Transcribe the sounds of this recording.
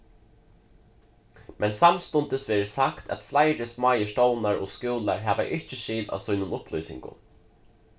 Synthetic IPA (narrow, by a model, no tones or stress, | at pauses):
mɛnsamst̪ʊnt̪ɪsʋeːɾɪsakt̪ʰæ̰t̪flajɾɪsmaːjəʂt̪oːwnaɾɔ̰ːskuwlaɹɦæːʋa̰ʔɪht͡ʃɪʃiːla̰ːsʊjnʊnʊplɔjsɪ̰ŋkʊ̰n